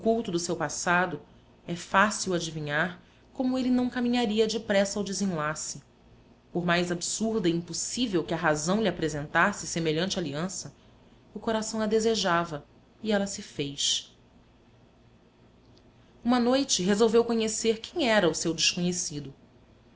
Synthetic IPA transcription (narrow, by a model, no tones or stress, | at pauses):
ʊkuwt̪ʊd̪ʊsewpasad̪ʊ | ɛfasiwad͡ʒivĩɲaɾ | kõmʊelɪnɐ̃w̃kamĩɲaɾiɐd͡ʒɪpɾɛsawd͡ʒɪzĩlasɪ | pʊɾmajzabsuɾd̪ɐiĩmposivewkɪɐɦazɐ̃w̃liapɾezẽnt̪asɪsemeʎɐ̃nt͡ʃɪaliɐ̃sɐ | ʊkoɾasɐ̃w̃ɐd̪ezeʒavɐ | iɛlɐsɪfejʃ | ũmɐnojt͡ʃɪɦezowvewkõɲeseɾkẽɲ̃ɛɾɐʊsewd͡ʒɪʃkõɲesid̪ʊ